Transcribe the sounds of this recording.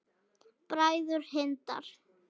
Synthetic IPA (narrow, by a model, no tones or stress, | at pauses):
pɾaːjðʏɾ̥hɪnt̪a̰ɾ̥